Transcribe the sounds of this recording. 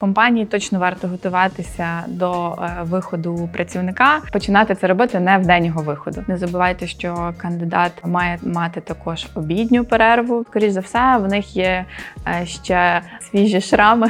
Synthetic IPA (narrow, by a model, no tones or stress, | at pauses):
kɔmpɑnʲijit̪ɔt͡ʃnɔʋɑrt̪ɔɦɔt̪ʊʋɑt̪ɪsʲɐd̪ɔʋɪxɔd̪ʊpɾʔɐt͡sʲiʋwnɪkɑpɔt͡ʃɪnɑt̪ɪt̪sɛɾɔbɪt̪ɪnɛwd̪ɛnʲːɔɦɔʋɪxɔd̪ʊnɛzɐbʊʋɑjt̪ɛʃt͡ʃɔkɐnd̪ɪd̪ɑt̪mɑjɛmɑt̪ɪt̪ɐkɔʒ̥ɔbʲid̪ʲnʲʊpeɾɛɾʋʊskɔɾʲit͡ʃzɐwsɛwnɪxjɛ | ʃt͡ʃɛsʲʋʲiʒiʃɾɑmɪ